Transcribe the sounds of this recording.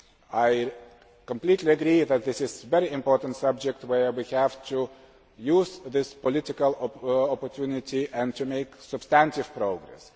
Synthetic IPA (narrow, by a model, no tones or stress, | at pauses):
aɪ | kə̃mplitliɨɡɾiðæt̪̚ðɪsɪzvɛɾiɪ̃mpɔɹtə̃n̩tsʌb̚d͡ʒɛk̚twə˞wihæv̥tʰu | juzðɪspɔlɪtɪkəlˠɔpəɹtʰjunɪtiʔɨ̃ntʰumeɪksɨb̥stæ̃ntɪv̥pʰɾoʊɡɾɛ̰s